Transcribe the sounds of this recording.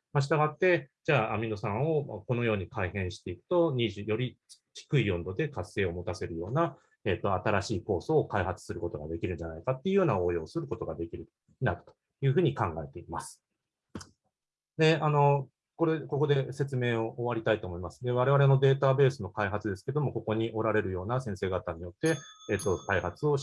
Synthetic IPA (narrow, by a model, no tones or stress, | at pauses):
maɕ̬i̥t̪aɡat̪ːe̞d͡ʑaːamʲino̞sãɰ̃o̞ko̞no̞jo̞ːɲ̟ikʰaihẽ̞ɰ̃ɕi̥t̪e̞ikɯ̟̥t̪o̞ɲiʑɨjo̞ɾʲit͡ɕi̥kɯ̟ijõ̞nd̪o̞d̪e̞kase̞ːo̞mo̞t̪ase̞ɾɯ̟jo̞ːna | et̪ːo̞at̪aɾaɕiːko̞ːso̞ːkaihat͡sɨ̥sɨɾɯ̟ko̞t̪o̞ɡa̰d̪e̞kʲiɾɯ̟n̟d͡ʑanaikat̪ːe̞iɯ̟jo̞ːnaoːjo̞ːsɨɾɯ̟ko̞t̪o̞ɡad̪e̞kʲiɾɯ̟ | nad̪ɯt̪o̥ | jɯ̟ːɸɯ̟ːɲ̟ikãŋɡae̞t̪e̞imasɨ̥ | d̪e̞ano̞ | ko̞ɾeko̞ko̞d̪e̞se̞t͡sɨme̞ːo̞ʔoβaɾʲit̪ait̪o̞ːmo̞imasɨ̥d̪e̞β̞aɾe̞βaɾe̞no̞d̪e̞ːt̪abe̞ːsɨno̞kaiɦat͡sɨd̪e̞sɨ̥ke̞d̪o̞mo̞ko̞ko̞ɲ̟iʔo̞ɾaɾe̞ɾɯ̟jo̞ːnasẽ̞ɰ̃se̞ːɡat̪aɲ̟ijo̞t̪ːe̞eːt̪ːo̞kaihat͡sɨo̞